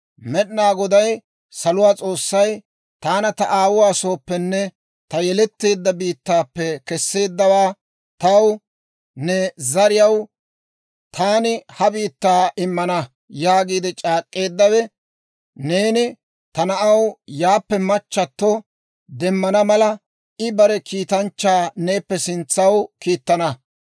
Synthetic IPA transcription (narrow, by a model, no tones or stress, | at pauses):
mɛɗnaːɡɔd̪ɐj | sɐlʊwaːt͡sʼo̞ːsːɐj | t̪aːnɐt̪ɐʔaːwʊwaːso̞ːpːɛnːɛ | t̪ɐjɛlɛt̪ːeːd̪ːɐbiːt̪ːaːpːɛkɛsːe̞ːd̪ːɐwaː | t̪ɐw | nɛzɐɾɪjɐw | t̪ʰaːnɪhɐbiːt̪ːaːʔɪmːɐnɐ | jaːɡiːd̪ɪt͡ʃʼaːkʼːe̞ːd̪ːɐwɛ | ne̞ːnɪ | t̪ɐnɐʔɐwjaːpːɛmɐt͡ʃːɐt̪ːɔ | d̪ɛmːɐnɐmɐlɐ | ɪbɐɾɛkʰiːt̪ɐnt͡ʃːaːne̞ːpːɛsɪnt͡sːɐwkiːt̪ːɐnɐ